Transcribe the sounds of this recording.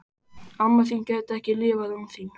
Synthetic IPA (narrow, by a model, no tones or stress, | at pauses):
amːaθ̬imcɛht̪ɛhcɪlɪːvaðumθim